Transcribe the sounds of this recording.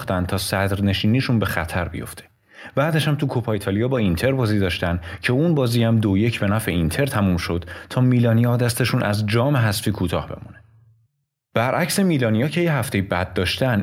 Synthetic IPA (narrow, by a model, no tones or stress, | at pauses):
xt̪ænd̪t̪ʰɒːsæd̪ɾne̞ʃiːniːʃunbe̞xæt̪ʰæɾbḭjo̞̰ft̪ʰe̥ | b̥æːd̪æʃhæmt̪ʰukʰopʰɒit̪ʰɒːlijɒːbɒːint̪ʰe̞ɾbɒːziːd̪ɒːʃt̪ænd̪cʰe̞unbɒːziːhæmd̪oje̞cʰbe̞næfeint̪ʰe̞ɾt̪ʰæmumʃo̞d̪̥t̪ʰɒːmiːlɒːnijɒːd̪æst̪e̞ʃunʔæ̰zd͡ʒɒːme̞ɦæsfiːkʰuːt̪ʰɒ̰ːhbe̞̰mune | b̥æɾʔæcse̞miːlɒːnijɒːcʰe̞jeɦæft̪e̞jibæd̪̚ːɒːʃt̪æn